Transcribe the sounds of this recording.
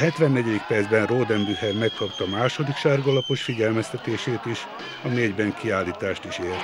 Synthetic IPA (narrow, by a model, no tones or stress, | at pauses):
ɦɛt̪ʋɛnːɛɟɛd̪ikpɛrd̪zbɛnroːd̪ɛmbyhɛrmɛkkɒpt̪ɒmaːʃo̞d̪ikʃaːrɡɒlɒpo̞ʃfiɟɛlmɛst̪ɛt̪eːʃeːt̪iʃ | ɒneːɟbɛŋkiaːlːiːt̪aːʃt̪iʃeːrt̪